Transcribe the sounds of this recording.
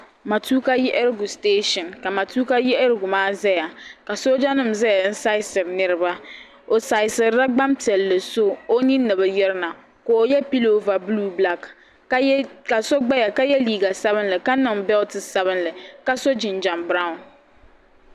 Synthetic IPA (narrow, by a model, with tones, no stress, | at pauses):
ma˨tu˦ka˦jɛ˦ʔɛ˦ɾɨ˦ɡu˨steː˦ʃɔ˨nka˨ma˨tuː˦ka˦jɛ˦ɛ˦ɾɡʊ˨maː˦zɛ˦ja˨ka˨so˦d͡ʒa˦nɨ˦m̩zɛ˦ja˨n̩˦sa˦ɪ˦sɨ˨ɾnɨ˦ɾɨ˦ba˦ | o˨sa˨ɪ˨sɨ˨ɾɾa˦ɡ͡ba˦mti˨ɛ˨lːɨ˨so˦o˦ni˦nɨ˨βɨ˨jɛ˦ɾɨ˦na˨ | ko˨jɛ˦pi˦lo˦va˨bluː˦bla˦k | ka˨so˦ɡ͡ba˦ja˨ka˦jɛ˦liː˦˨ɡa˨sa˦bɨ˦nlɨ˨ka˦nɨ˨ŋbɛ˦ltɨ˨sa˦βɨ˦nlɨ˨ka˦so˦d͡ʒɪ˨nd͡ʒa˨mbɾa˦˨ʊ̃˨n